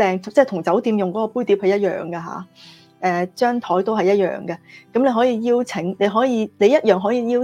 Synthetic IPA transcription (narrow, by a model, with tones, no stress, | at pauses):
ɛː˨ŋt͡sɛː˥t̪ʰʊ˨˩ŋt͡sɐ˨˥wt̪iː˨˧mjʊ˨ŋkɔː˨˥kɔː˧puː˥jt̪i˨˥phe˨˧jɐ˥t̚jœ̰ː˨˩ŋɡɐ˧ɦa̰ː˨˥ | ʔɛː˨˩t͡ʃœː˥ŋt̪ʰɔː˨˥jt̪o˥wɦɐ˨jɐ˥t̚jœ̰ː˨ŋɡɐ˧kɐ˨˥mle˨˧jɦɔː˨˥jiː˧jiː˥wt͡sʰɪ˨˥ŋne˨˧jɦɔː˨˥jiː˧ne˨˧jɐ˥t̚jœː˨ŋɦɔː˨˥jiː˧jiː˥